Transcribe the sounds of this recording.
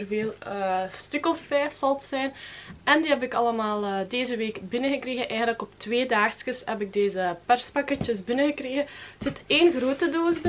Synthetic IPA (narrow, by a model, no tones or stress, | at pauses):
ərveːlˠəstʏkɔfːɛjfsɑlˠətsɛjnɛndiːɦɛbɪkɑləmaːlˠədeːzəʋeːkbɪnəɣəkreːɣənʔɛːjɣəndləkɔptʋeːdaːxskəsɛbɪɡ̚deːzəpɛrspɑkɛt͡ʃəsbɪnəɣəkreːɣətz̥ɪteːnɣroːtədoːzbɪ